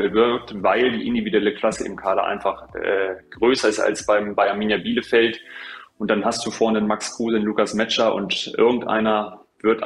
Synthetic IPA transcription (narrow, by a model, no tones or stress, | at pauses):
əvɪɐk̚tvaɪldiːʔɪndividuɛləkʰl̥asəʔɪ̰mkʰaːɾɐʔa̰ɪnfaχɛ̰ːɡ̥ʁøːsɐɪsta̰lsb̥aɪmbaɪamiːnjabiːləfɛltʔʊnt̚d̥anɦastd̥uːfɔɐnənmakskʁ̥uːzənlukasmɛt͡ʃɐʔʊ̰ntʔɪ̰ɐɡŋ̩tʔa̰ɪnɐ | v̥ɪɐtʔ